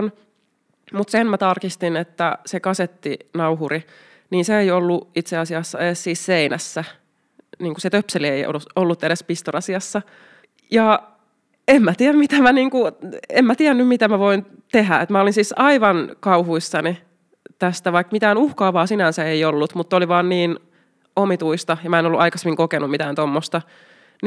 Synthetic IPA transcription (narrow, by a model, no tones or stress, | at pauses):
n | mut̪senmæt̪ɑrkist̪inet̪ːæsekɑset̪ːinɑuɦuɾi | niːnseeiolːuit̪seɑsiɑsːɑeessiːsseinæsːæ | niːŋkuset̪øpselieio̰luolːut̪ːeɾespist̪orɑsiɑsːɑ | jɑ | emmæt̪iæmmit̪æmæniːŋkuemmæt̪iænːymmit̪æmæʋoin | t̪eɦæḛt̪mæolinsiːsɑiʋɑnkɑuhuisːɑni | t̪æst̪æʋɑikmit̪æːnuhkɑːʋɑːsinænsæeiolːut̪mut̪ːoliʋɑːnniːn | omit̪uist̪ɑjɑmæenolːuʔɑikɑsemːiŋkokenumit̪æːnt̪omːost̪ɑ | n